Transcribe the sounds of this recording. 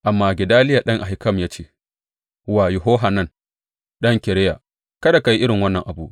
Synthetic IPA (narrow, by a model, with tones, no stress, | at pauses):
ʔa˨mːaː˦ɡʲɪ˨daː˦lɪ˦ja˨ɗɐ˦ŋʔa˨ɦɪ˨˦kɐ˦˨mjaː˦t͡ʃeː˦ | waː˨jʊ˨ɦoː˦ɦa˨nɐ˦˨n | ɗɐ˦ŋkʲɛ˨ɾɛ˦ja̰˨ | kɐ˦da˨ka˨ji˦ʔɪ˦ɽɪ˨ŋwɐ˦nːɐ˨ŋʔa˨bṵː˦ʔ